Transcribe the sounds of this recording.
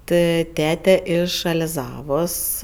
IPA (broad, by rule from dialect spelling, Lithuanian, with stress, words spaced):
ˈtɜ ˈtʲæːtʲɛ ˈɪʃ ɐlʲɪˈzɑːʋoːs